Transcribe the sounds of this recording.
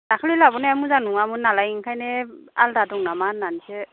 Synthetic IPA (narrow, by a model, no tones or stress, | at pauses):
dakʰlilabɔneamuzanuŋamunalajiŋkʰajnealdadɔŋnamanːanise